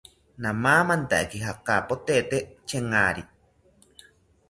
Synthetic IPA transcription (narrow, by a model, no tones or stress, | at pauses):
nãmaːmant̪aʔekiɦakapot̪et̪et͡ʃeŋaːɾi